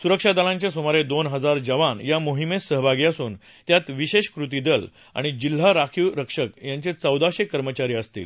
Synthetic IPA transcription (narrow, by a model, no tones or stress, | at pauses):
suɾəkʂad̪alãɲt͡ɕesomaɾed̪onɦəd͡zaɾd͡ʑəʋanjamoɦimesəɦbʱaɡiəsuːn | t̪jat̪ʋiɕeɕkɾut̪id̪əl | a̰ɽ̃id͡ʑil̤ːaɾakʰiwɾəkʂəkjaɲt͡ɕet͡səwd̪aɕekəɾmət͡ɕaɾiːəst̪ḭːl